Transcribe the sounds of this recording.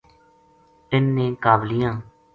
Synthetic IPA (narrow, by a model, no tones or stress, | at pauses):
tɪnːẽːkaːblɪjãː